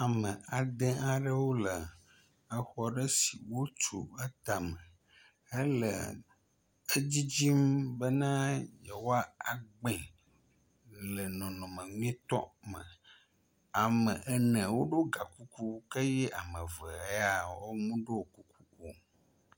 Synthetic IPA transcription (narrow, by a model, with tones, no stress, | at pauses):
a˨mə̃˨a˨d̪ẽ˦a˨ɖə˦wo˦lə˨ | ə˦xɔ˦ɖə˦si˨wo˦t͡ʃṵ˨ə˦t̪a˨mə̃˨ | ə˦lə̰˨ | ə˦d͡ʑi˦d͡ʑi˦mbə˦nã˦jɛ˨wo˦a˦a˨ɡ͡bɛ̃˨ | lə˨nɔ̃˨nɔ̃˨mə̃˨ŋũ˦ɛ̃˦t̪ɔ̰˦mə̰̃˨ | a˨mə̃˨ʔɛ˦nə̃˨wo˦ɖo˦ɡa˨ku˦ku˦kə˦jɛ˦ʔa˨mə̃˨və˨e˦a˨wo˦mũ˦ɖo˦wo˨ku˦ku˦o˨